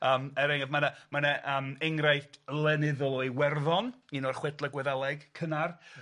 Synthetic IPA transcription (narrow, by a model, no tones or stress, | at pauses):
əːmɛɾɛŋɛvmanamanɛʔəmɛŋrajtʰlˠɛnɪðɔlˠɔɨwɛrðɔninɔrχwɛdlˠəɡwɛðalˠɛɡkʰənar